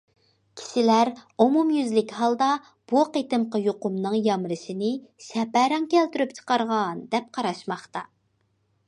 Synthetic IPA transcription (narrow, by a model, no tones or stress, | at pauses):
kʲʰi̥ʃɪlæɾomumjyzlɪkʲhɑlˠd̪ɑ | b̥uqet̪ɨmqɑjoqʊmnɨŋjɑmɾɨʃinɪʃɛpæɾɑŋkʲʰɛlt̪yɾypt͡ʃʰə̥qɑɾʁɑnd̪ɛp̚qʰɑɾɑʃmɑχt̪ɑ